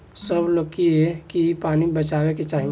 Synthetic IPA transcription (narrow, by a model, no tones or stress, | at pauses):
səblokiɛkipaːnibət͡ʃaːweket͡ʃaːɦĩ